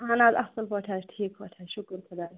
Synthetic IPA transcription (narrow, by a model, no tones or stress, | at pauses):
ɦaːnaːzɐsɐlpɐʈʰaːʈʰiːkpɐʈʰaːʃʊkɾkʰɐd̪aːɾ